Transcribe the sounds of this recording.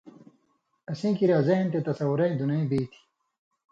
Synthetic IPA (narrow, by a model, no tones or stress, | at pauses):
ɐsĩːkiɾaːzɐnt̪et̪ɐsɐwuɾɐĩd̪unɐĩbiːt̪ʰi̥